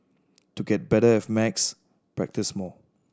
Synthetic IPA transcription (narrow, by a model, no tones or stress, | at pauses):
tuɡɛt̚bɛɾəɪfmɛks | pɹɛ̰k̚tɪsmɔ